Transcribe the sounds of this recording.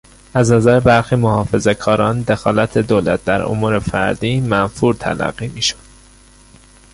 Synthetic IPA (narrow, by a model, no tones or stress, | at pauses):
æznæzæɾebæɾxiːmohɒːfe̞ze̞kʰɒːɾɒːnd̪e̞xɒːlæt̪ʰe̞d̪oːlæt̪̚d̪æɾo̰muːɾe̞fæ̰ɾd̪iːmænfuːɾt̪ʰæ̰læ̰ɣːiːmiːʃod̪̥